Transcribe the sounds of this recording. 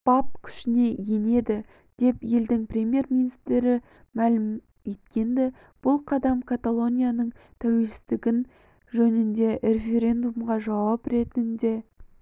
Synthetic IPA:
b̥ɑp̚kʲʰʏ̥ʃɪne̞je̞ne̞d̪ɪ | d̪̥e̞pje̞ld̪ɪŋprʲemje̞rmʲinist̪ɾɪ | mælɪm | e̞t̪kʲe̞nd̪ɪ | b̥ʊlˠqʰɑd̪ɑmkʰat̪alˠo̞nʲijanəɴt̪ʰæwe̞lsɪ̥zt̪ɪɡʲɪn | ʒɵnɪnd̪e̞ɾe̞fe̞ɾʲe̞nd̪umʁɑʒɑwɑpɾe̞t̪ɪnd̪e̞

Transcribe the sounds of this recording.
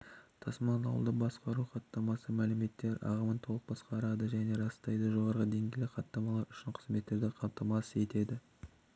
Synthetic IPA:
t̪ʰɑsmɑnɑ̰wəlˠd̪əbɑsqɑɾuqʰɑt̪ːɑmɑsəmælɪme̞t̪ːe̞ɾɑ̰ʁəmənt̪ʰo̞lˠəq̚bɑsqɑɾɑd̪əʒæne̞ɾɑst̪ɑjd̪əʒo̞ʁɑɾʁəd̪e̞ŋɡʲejlɪqʰɑt̪ːɑmɑlˠɑɾʏʃɪɴqʰə̥zme̞t̪ːe̞ɾd̪ɪqʰɑmt̪ɑmɑsəe̞t̪e̞d̪ɪ

